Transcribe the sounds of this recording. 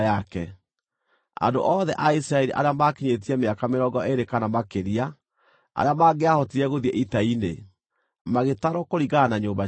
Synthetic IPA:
akɛ | a̰ndo̰ʔɔðɛʔaisɾaɛɾiʔa̰ɾeamaːkiɲet̬iɛmeakameɾɔɡɔʔeɾekanamakeɾia | a̰ɾeamaːɡeahɔtiɾɛɣoðiɛʔitainḛ | maɣetaɾokoɾiɣanaɲoːmba

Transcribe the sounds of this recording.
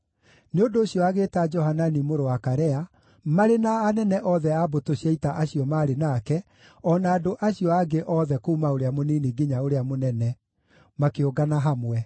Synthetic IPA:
neondoːɕjɔaɣeːtad͡ʒɔhananimoɾowakaɾɛa | maɾenaːnɛnɛʔɔðɛabotoɕiaitaʔaɕiɔmaɾenakɛ | ɔnaːdoʔaɕiɔaɡeʔɔːðɛkuumaoɾeamoniːniɡiɲaoɾeamonɛnɛ | makeoɡanaɦamwɛ

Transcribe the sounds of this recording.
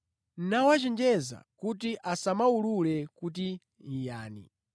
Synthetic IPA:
n̩nawat͡ʃɛnd͡ʒɛza̰kut̬iʔasamaululɛkut̬i | ijaːnḭ

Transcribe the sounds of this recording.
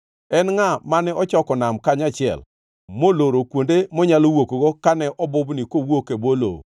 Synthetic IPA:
ɛnŋamanɛɔt͡ʃɔkɔnamkaɲat͡ʃɪɛ̰l | moloɾokwondemɔɲalowokoɡokanɛʔɔbʊbnikowokebolo̰

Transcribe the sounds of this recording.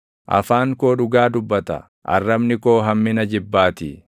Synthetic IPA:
ʔɐ̰faːŋko̞ːᶑʊɡaːd̪ʊbːɐt̪ɐ̰ | ʔɐ̰rːɐbnɪko̞ːɦɐmːɪnɐd͡ʒɪbːaːt̪ɪ

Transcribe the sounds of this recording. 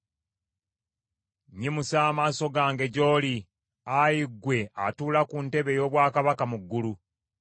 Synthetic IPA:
ɲimusaːmaːso̞ɡaːŋɡe̞ɟo̞ːli | ajiɡwe̞a̰tuːlakunte̞βe̞jo̞ːβwaːkaβakamuɡːulu

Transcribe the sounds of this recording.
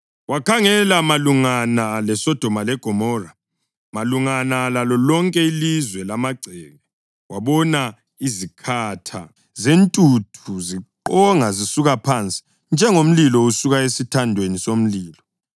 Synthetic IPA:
wakʰaŋɛlamaluŋanalɛsɔd̥ʱɔmalɛɡ̥ʱɔmɔra | maluŋanalalɔlɔŋkʼɛilizwɛlamaɡ͡ǀʱɛːɣɛ | waβɔna | izikʰatʰa | zentʼutʰuziǃɔŋazisuɣapʰant͡sʼi̥ | nd͡ʒʱɛŋom̩lilɔusuɣaesitʰandʱwenisom̩liːlɔ

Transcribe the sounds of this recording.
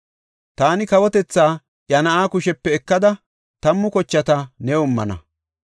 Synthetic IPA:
t̪aːnɪkɐwɔt̪ɛt͡sːaː | ʔjɐnɐʔaːkʊʃɛpːɛːkːɐd̪ɐ | t̪ɐmːʊkɔt͡ʃːɐt̪ɐnɛʊmːɐ̰nɐ̰

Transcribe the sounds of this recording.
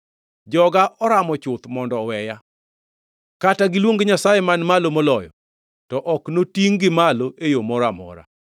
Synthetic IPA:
d͡ʒɔɡaʔɔɾamɔt͡ʃʊt̪mɔndɔwɛja | kataɡɪlwoŋɡɲasajemanmalomolɔjɔ̰ | tɔʔɔknotiŋɡɪmaloʔejomɔɾamɔ̰ɾa̰

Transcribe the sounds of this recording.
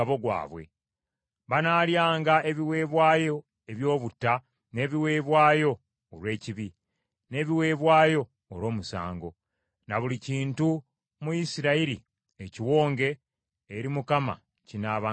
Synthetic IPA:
aβoɡwa̰ːβwe̞̰ | βanaːljaːŋɡae̞βiwe̞ːβwaːjo̞ | e̞βjo̞ːβutːa | ne̞βiwe̞ːβwaːjo̞ː | lwe̞ːciβi | ne̞ːβiwe̞ːβwaːjo̞̰ː | lwo̞ːmusa̰ːŋɡo̞ | naβuliciːntu | mujisiɾaiɾi | eciwo̞ːŋɡe̞ː | ɾimukama̰ | cinaːβa

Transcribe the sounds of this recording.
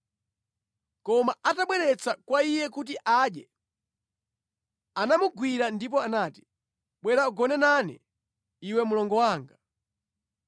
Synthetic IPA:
kɔmaʔataɓwɛɾɛt͡sakwaijɛkut̬iʔaɗjɛ | anamuɡwiɾandip̬ɔanaːti̥ | ɓwɛɾauɡɔnɛnanɛ̰ | iwɛmulɔŋɡɔwaːŋɡa

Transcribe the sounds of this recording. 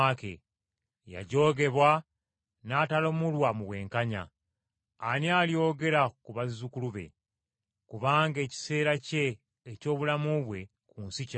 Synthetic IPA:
akḛ | ja̰ɟo̞ːɡe̞βwa | naːtalomulwamuβwe̞̰ːŋkaɲa̰ː | niaːljo̞ːɡe̞ɾakuβazukuluβe̞̰ | kuβaːŋɡe̞ːci̥se̞ːɾace̞ː | co̞ːβulamuβwe̞ | kuːnsica

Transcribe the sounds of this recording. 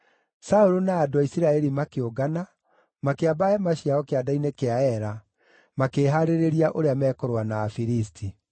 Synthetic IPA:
saoɾonaːdoaisiɾaɛɾimakeoɡana | makeabaɛmaɕiaɔkeadainekeaɛɾa | makeːɦaɾeɾeɾiaʔoɾeamɛːkɔɾwanaːfiɾistʰi

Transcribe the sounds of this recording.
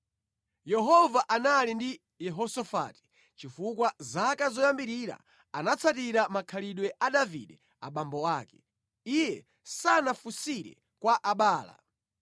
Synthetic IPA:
jɛɦɔvaʔanalindi | jɛɦɔsɔfa̰ːti̥ | t͡ʃifukwazakazɔjambiɾiɾa̰ | anat͡sʰatiɾamakʰaliɗwɛʔaɗavḭɗɛ | a̰ɓambɔwaːkɛ | ijɛ | sanafusiɾɛ̰ | kwaʔaɓaːla̰

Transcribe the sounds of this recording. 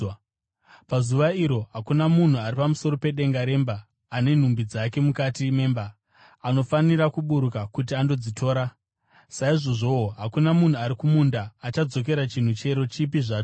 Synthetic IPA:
pazuʋaiɾo̞ɦakunamun̤uaɾipamuso̞ɾo̞pe̞ɗe̞ŋɡaɾe̞mbaː | ne̞n̤umbid͡zake̞mukatime̞ːmbaː | no̞faniɾakuɓuɾukakut̬iando̞d͡zitʰo̞ːɾa | saiʐo̞ʐo̞ɦakunamun̤uaɾikumundaːt͡ʃad͡zo̞ke̞ɾat͡ʃin̤ut͡ʃe̞ɾo̞t͡ʃipiʐaːt͡ʃo

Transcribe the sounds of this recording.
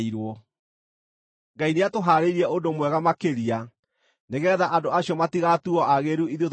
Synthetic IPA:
iɾwɔ | ŋɡaineatoɦaːɾeiɾɛʔondomwɛɣamakeɾia | neɣɛðaʔandoaɕjɔmatiɣatuɔʔaɣeɾuiðot

